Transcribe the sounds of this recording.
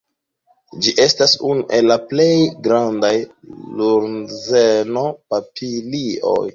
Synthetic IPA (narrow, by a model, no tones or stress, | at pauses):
d͡ʒiʔe̞stasunuʔe̞lːaple̞jɡɾandajluɾzeno̞papʰilio̰j